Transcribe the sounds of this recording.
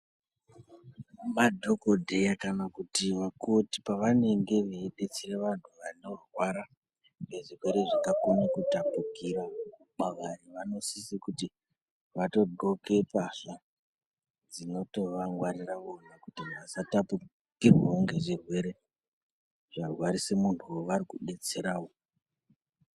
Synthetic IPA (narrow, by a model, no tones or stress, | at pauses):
madʱokodʱe̞jakanakutiʋakuti̥paʋane̞ŋɡe̞ʋeːɗet͡sireʋantʰuʋano̞rwaɾa | ŋɡeʐirwe̞ɾe̞ʐakakonekutapukiɾa | maʋaɾiʋano̞sisikuti | ʋato̞ɡo̞ke̞paɬa | d͡zino̞to̞ʋaŋɡwaɾiraʋo̞nakutiɦaʋasatapu | kirwaoŋɡe̞ʐirwe̞ɾe̞ | ʐ̥arwaɾisemuntʰuwoʋaɾikuɗe̞t͡se̞ɾawo